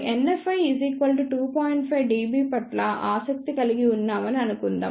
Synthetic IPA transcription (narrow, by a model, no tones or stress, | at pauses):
enːefɐjiziːkʋɐlʈuʈuːpoːjiɳʈpʰɐjʋɖiːbiːpɐʈlɐʔaːsɐk̚t̪ikɐliɡiunːaːmɐniɐnukund̪a̰ː